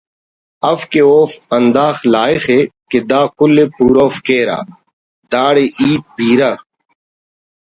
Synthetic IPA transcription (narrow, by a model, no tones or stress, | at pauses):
ɐfkeoːfɐnd̪aːxlaːixeːked̪aːkʊlːepuːɾoːfkeːɾa̰ː | d̪aːɽeʔiːt̪̚bʱiːɾaː